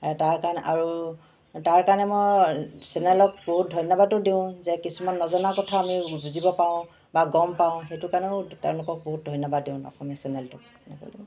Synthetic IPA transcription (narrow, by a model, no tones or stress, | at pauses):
taɹkanʔa̰ɹu | taɹkaɹnɛmɔjsɛnɛlɔk̚boɦut̚dʱɔjnɔbadʊdːiʊ̃zɛkisumanːɔzɔnakɔtʰaːmibuzibɔpaʊ̃ | baɡɔmpaʊ̃xejtʊkanɛʊtɛʊ̃lʊkɔk̚boɦut̚dʱɔjnɔbadːiʊ̃ɔ̰xɔmisɛnɛltʊ | nɛkɔ̰li